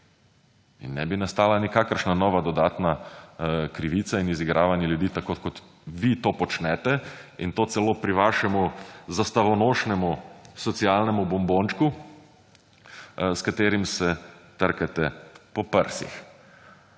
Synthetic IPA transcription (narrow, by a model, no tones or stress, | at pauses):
ḭnːɛ̰binast̪aːlanikaːkəɾʃnanɔːʋad̪ɔd̪aːt̪na | kɾiʋiːt̪sainiziɡɾʔaːʋanjɛljud̪iːt̪akokɔt̪ | ʋit̪oːpɔt͡ʃnɛt̪ɛint̪oːt̪sɛloːpɾiʋaʃɛmuzast̪aʋɔnoːʃnɛmusɔt̪sialnɛmubɔmboːnt͡ʃku | skat̪eːɾimsɛt̪əɾkɛt̪ɛpɔpəɾsḭx